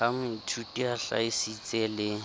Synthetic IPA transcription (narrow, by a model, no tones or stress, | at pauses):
amitʰutiaɬa̰ɪsit͡sʼɛːlɪ